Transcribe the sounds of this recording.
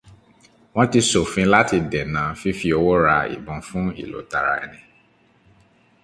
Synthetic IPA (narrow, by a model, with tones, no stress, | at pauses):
w̃ɔ̃˦ti˧so˨fĩ˧˦la˦ti˧dɛ˨nã˨˦fi˦fi˦o˧wo˦ɾa˧ḭ˨bɔ̃˨˧fũ˦ḭ˦˨lo̰˨˦ta˨ɾa̰˧ɛ̰˧nĩ˧